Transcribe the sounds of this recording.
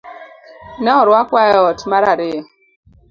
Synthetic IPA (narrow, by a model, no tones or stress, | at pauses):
naɔɾakʷwaɔtmaɾaɾɪ